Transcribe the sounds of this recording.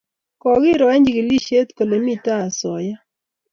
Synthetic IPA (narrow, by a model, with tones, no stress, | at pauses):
kɔ˨ɡɪ˦ɾɔ˨ɛ˦ɲd͡ʒi˨ɡɪ˨li˦ʃe˦t̪ko˨le˨mi˦t̪a˦a˨sɔ˨ja˦